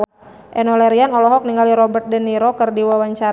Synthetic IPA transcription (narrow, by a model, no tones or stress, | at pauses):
ʔɛnɔlɛɾianɔlɔɦɔk̚niŋɡaliɾɔbərt̪̚dəniɾokərdiwawaɲt͡ʃaɾ